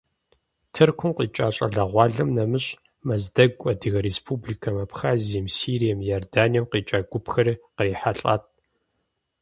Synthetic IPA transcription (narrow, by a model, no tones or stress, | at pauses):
tʰɨrkʷʰʊmqʼiːt͡ʃʼaːɕʼɐ̰ɮɐʁʷɑːɮɐmnɐmɨɕʼ | mɐzdɐɡʷʼɐdɨɣɐɾespʰubliːkʰɐmɐpxaːziɐmsiːɾijɐmjordaːnijɐwqiːt͡ʃʼaːɡʷʊpxɐɾiqəriːħaɬʼa̰ːtʼ